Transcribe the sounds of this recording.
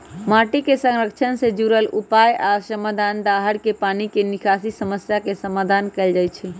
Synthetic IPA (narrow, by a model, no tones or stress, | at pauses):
maʈikesə̃ŋɾəkt͡ʃʰənsed͡ʒuɾəlupajasəmad̪ʱand̪aɦəɾkepanikenikʰasisəməsjakesəmad̪ʱankɛld͡ʒajt͡ʃʰɛ